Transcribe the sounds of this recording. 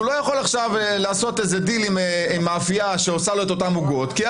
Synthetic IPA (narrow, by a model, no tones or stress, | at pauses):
ulo̞jaχo̞laχʃavlaːso̞tezedilimimːaːfiaʃeosalo̞eto̞tamuɡo̞tki